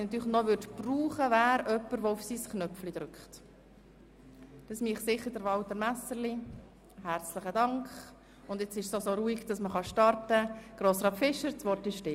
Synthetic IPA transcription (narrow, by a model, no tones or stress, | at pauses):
nɑt̪yːɾləχnɔʋʏɾtpruːχəvæːɾœpːəɾʋɔufsiːsknœflid̥̪ɾʏkχt | d̥ɑsmiːχsɪχːəɾd̥əɾʋɑlt̪əɾmæsəɾli | hært͡sləχədɑŋkχ | ʊnd̪ɛt͡sɪʃsosoɾuːiɡ̥d̥ɑsməχɑʃtɑɾtəɡ̥ɾoːsɾɑːpfɪʃəɾt͡sʋɔɾrtɪʃtɪ